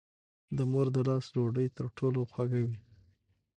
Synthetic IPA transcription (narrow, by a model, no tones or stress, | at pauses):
d̪əmoɾd̪əlɑsloɖəjt̪əɾʈʰoloxwaɡawi